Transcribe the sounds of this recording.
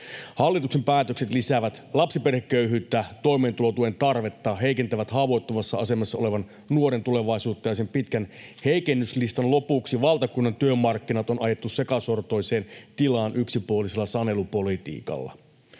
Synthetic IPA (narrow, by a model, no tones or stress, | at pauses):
hɑlːit̪uksempæːt̪økset̪lisæʋæt̪lɑpsiperhekːøyɦyːt̪ːæt̪o̞jme̞ːnt̪ulo̞t̪uent̪ɑrʋe̞t̪ːɑɦe̞ikent̪æʋæt̪hɑːʋo̞jt̪ːoʋɑsːɑɑ̰se̞mɑsːɑo̞le̞ʋɑn | nuoɾe̞nt̪ule̞ʋɑisuːt̪ːɑjɑsempit̪kænhe̞ikenːyslist̪ɑnlo̞puksiʋɑlˠt̪ɑkunːɑnt̪yømːɑrkːinɑt̪o̞nʔɑje̞t̪ːuse̞kɑso̞rt̪o̞jse̞ːnt̪ilɑːnʔyksipuoliselːɑsɑne̞lupo̞lit̪ḭːkɑ̰lːɑ̰